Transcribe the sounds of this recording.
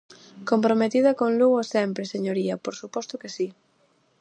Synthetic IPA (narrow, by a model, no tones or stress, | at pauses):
kompɾomet̪ið̞ɐkonluɣosɛmpɾeseɲoɾiɐpoɾsupɔst̪ʊkesi